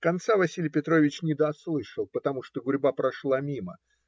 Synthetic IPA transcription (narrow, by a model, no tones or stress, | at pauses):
kɐnt̪savɐsʲilʲɪjpʲɪt̪ɾo̞vʲɪt͡ɕnʲɪd̪ɐslˠɨʂɨlˠpət̪ɐmuʂt̪oɡʊɾʲbapɾɐʂlˠamʲimə̰